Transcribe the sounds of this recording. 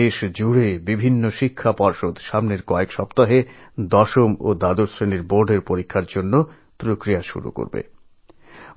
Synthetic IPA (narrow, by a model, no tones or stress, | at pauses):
eʃd͡ʑuɽebibʱinːoʃikʰːapɔɾʃod̪ʃamneɾkɔekʃɔpt̪aɦed̪ɔʃomo̰d̪ad̪oɾsɾeniɾboɾɖeɾpoɾikʰːaɾd͡ʑonːo | pɾokɾijaʃṵɾṵko̰ɾbḛ